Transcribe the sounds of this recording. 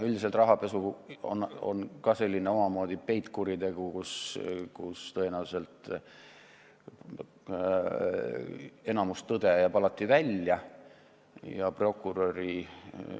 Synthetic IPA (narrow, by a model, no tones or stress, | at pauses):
ylʲd̪is̬elt̪rɑɦɑpe̞suo̰no̰nkɑse̞lʲːineo̞mɑmo̞ːd̪̥ipe̞jt̪ˑkuɾit̪e̞ɡ̥ukuskust̪ɤenewse̞lt̪ˑ | e̞nɑmust̪ːɤd̪̥e̞jɑpɑlɑt̪ːivælʲjɑ | jɑpro̞kːˑuɾoɾi